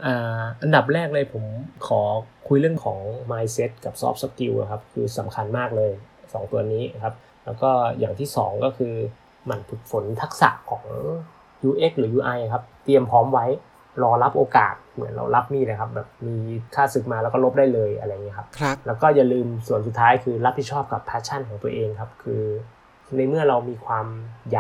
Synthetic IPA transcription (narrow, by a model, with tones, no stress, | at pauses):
ʔaː˨˩ʔa˧nda˨˩p̚ɾɛː˥˩k̚lɤː˧jpʰo˩˦mkʰɔː˩˦kʰu˧jlɯ˥˩əŋkʰɔː˩˦ŋmaː˧jse˦˥t̪̚ka˨˩p̚sɔ̰ː˦˥p̚sa˦ki˧wa̰˨˩kʰa˦˥p̚kʰɯː˧sa˩˦mkʰa˧nmaː˥˩k̚lɤː˧j | sɔː˩˦ŋt̪u˧ɐniː˦˥kʰa˦˥p̚ | lɛː˦˥wkɔː˥˩jaː˨˩ŋt̪ʰiː˥˩sɔ̰ː˩˦ŋkɔː˥˩kʰɯː˧ | ma˧npʰi˨˩t̪̚fo˩˦nt̪ʰa˦˥k̚sa̰˨˩ʔkʰɔː˩˦ŋʔɤː˧˥˩ | juː˧ʔe˦˥k̚lɯː˩˦juː˧ʔa˧ja˩kʰa˦˥p̚t̪i˧əmpʰɔː˦˥mwa˦˥j | ɾɔː˧la˦˥p̚ʔoː˧ka̰ː˨˩t̪̚mɯ˨˩˦nɾa̰˧wla˦˥p̚niː˥˩laː˧˩jkʰa˦˥p̚bɛː˨˩p̚miː˧kʰaː˥˩sɯ˨˩k̚maː˧lɛː˦˥wkɔː˥˩lo˦˥p̚daː˥˩jlɤː˧jʔa̰˧ɾa˧ja˨˩ŋi˦˥kʰa˦˥p̚ʰlɛː˦˥wkɔː˥˩ja˨˩lɯː˧msu˨˩ənsu˨˩t̪ʰːaː˦˥jkʰɯː˧ɾa˦˥pʰːi˨˩t̪̚t͡ɕʰɔː˥˩p̚ka˨˩pʰːaː˦˥t͡ɕʰa˥˩nkʰɔː˩˦ŋt̪u˧ɐʔeː˧ŋkʰa˦˥p̚kʰɯː˧ | na˧jmɯ˥˩ɐɾa˧wmiː˧kʰwaː˧mja˨˩